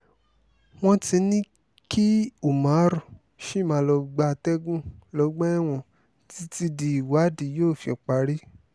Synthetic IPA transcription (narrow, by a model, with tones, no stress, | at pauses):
w̃ɔ̃˦ti˧nĩ˦ | ki˦u˨mã˨˦ɾɔ˨ | ʃi˦˨mã˧lɔ˧ɡ͡ba˧˦˧tɛ˦ɡũ˦lɔ˨˧˦ɡ͡bɛ˦ɛ˦w̃ɔ̃˧ | ti˦ti˧di˧i˨wa˨˦di˨˦joː˦˨fi˧ɔ˨k͡pa˨˧ɾi˦